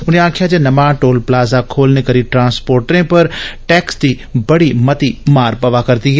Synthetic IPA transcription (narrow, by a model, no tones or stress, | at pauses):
ʊnẽãːkʰjad͡ʒenɐmãʈoːlplaːzakʰoːlnekɐɾiʈɾãːnspoːɾʈɾẽpɐɾʈɛːksd̪iː | bɐɽimɐt̪imaːɾpɐʋakɐɾd̪iɦɛː